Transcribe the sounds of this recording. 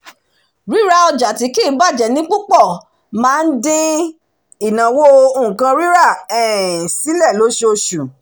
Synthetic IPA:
ɾi˨˦ɾa˧ɔ˧d͡ʒa˨ti˨˦ki˦˨˦ba˦˨d͡ʒɛ˨nĩ˦k͡pu˦k͡pɔ˦˨ | mãː˦˧n̩˦dĩ˦ | i˨nã˨wo˦õ˦˨kã˧ɾi˦ɾa˦˨ɛ˨si˨˦lɛ˦˨lo˨˦ʃe˧o˧ʃu˨

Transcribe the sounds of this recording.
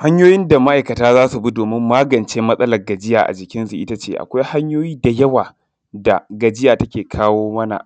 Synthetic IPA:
ha˦ɲjoː˦jɪ˦nda˨ma˦ʔa˨kɐ˨taː˦zaː˦su˨bu˦doː˨mɪ˦mːaː˦ɡɐ˨nt͡ʃeː˦mɐ˦sʼɐ˦lɐ˨rɡɐ˨d͡ʒɪ˦ja̰ː˨ʔa̰˨d͡ʒɪ˨kʲɪ˦nsu˨ʔɪ˦ta˦t͡ʃeː˦ʔa̰˨kʷa˦jha˦ɲjoː˦jiː˦da˨jɐ˦waː˨ | da˨ɡɐ˨d͡ʒɪ˦jaː˨tɐ˦kʲeː˨kʰaː˦woː˦mɐ˦na̰˨ʔ

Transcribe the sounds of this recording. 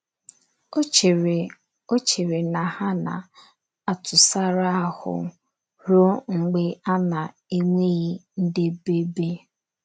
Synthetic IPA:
o˦t͡ʃe˨ɾe˨na˨ha˦na̰˨ | a˨tʊ˨sa˦ɾa˦a˦hʊ̰˨ | ɾo˦ŋ̩˨ɡ͡be˦a˦na˨ | e˦ŋʷe˦ɣi˦n̩˦dɪ˦be˦be˦

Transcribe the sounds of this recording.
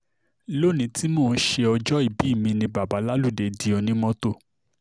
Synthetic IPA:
lo˦˨nĩ˨˧˦ti˦moː˦˨˦ʃe˧ɔ˧d͡ʒɔ˦i˦˨bi˨˦˨mĩ˧nĩ˧ba˨ba˨˦la˦lu˦˨de˨di˨˦ɔ˧nĩ˦mɔ̃˧to˦˨

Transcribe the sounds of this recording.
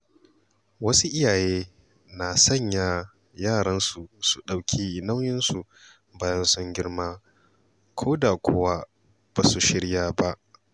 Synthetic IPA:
wɐ˦su˦ʔɪ˦jaː˨jeː˦ | na˨sɐ˦˨ɲja˨ | jaː˦˨ɽɐ˦nsu˨su˨ɗa˨wkʲʰiː˦ʔɪ˨na˦wjɪ˦nsu˨ | baː˦jɐ˦nsʊ˦ŋɡʲɪ˦ɽmaː˦ | kʷʰoː˦da˨kʷʰʊ˦wa˦ | b̥a˨su˨ʃɪ˦ɽjaː˦ba˦ʔ

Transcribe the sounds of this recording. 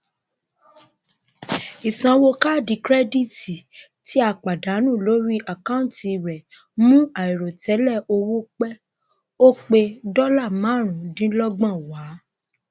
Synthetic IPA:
i˨sã˨wo˧ka˦˨di˧˦kɾɛ˦di˦˨ti˨ | ti˨˦a˦˨k͡pa˨da˨˦nũ˦˨lo˦ɾi˦ʔa˨kã˦ũ˦ti˧˨ɾɛ˨ | mũ˦a˨i˨ɾo˨tɛ˨˦lɛ˦˨o˧wo˦k͡pɛ˦ | o˦k͡pe˧dɔ˦la˦˨mã˨˦˨ɾ̃ũ˨dĩ˦lɔ˦ɡ͡bã˦˨wa˨˦

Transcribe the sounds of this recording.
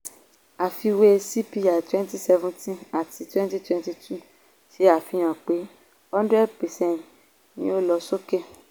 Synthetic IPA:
a˨fi˧we˧si˦pi˧ja˨twɛ̃˦n˦ti˦sɛ˧vũ˦ntĩ˦a˨ti˨˦twɛ̃˦n˦ti˦twɛ̃˧nti˧tʰu˦˨ | ʃe˨˦a˦˨fi˧j̃ã˨k͡pe˨˦ | hɔ̃˦ndɾɛ˦d̚pɛ˨sɛ̃˦˨n˨t | nĩ˦o˦lɔ˧so˦ke˦˨

